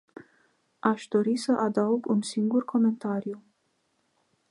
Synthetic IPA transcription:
aʃd̪o̞ɾisəʔad̪auɡunsiŋɡurkʰo̞me̞nt̪aɾiju

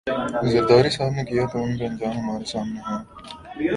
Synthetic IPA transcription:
zəɾd̪aːɾisaːt̪nekɪjaːt̪oʊnpɐ̃nd͡ʒaːnmaːɾesaːmneɦõː

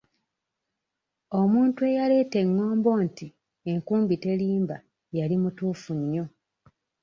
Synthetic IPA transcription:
o̞muːntue̞jale̞ːte̞ŋːo̞ːmbo̞ːnti | e̞ŋkuːmbite̞liːmba | jalimutuːfuɲːo̞

